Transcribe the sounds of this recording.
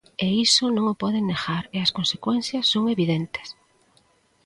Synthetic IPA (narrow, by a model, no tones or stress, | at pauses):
eisonõŋopɔðeneɣaɾeɐskonse̥kwen̟θjɐsːoŋeβiðent̪e̥s